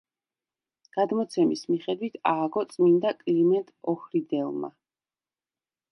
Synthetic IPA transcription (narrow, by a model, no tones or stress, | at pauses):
ɡ̥ad̪mɔt̪sʰɛmismiχɛd̪wit̪ʰaːɡɔt̪sʼmind̪akʼlimɛnt̪ʼɔhɾid̪ɛlˠma̰